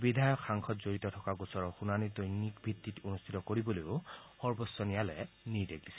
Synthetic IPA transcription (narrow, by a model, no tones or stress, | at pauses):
bidʱajɔkʰːaŋkʰɔtzoɹitɔtʰɔkaɡusɔɹɔxunanidojnikbʱitːitonustʰitɔkoɹibɔlojʊxɔɹbɔsːɔnijalɛ̰ | nidekdisɛ̥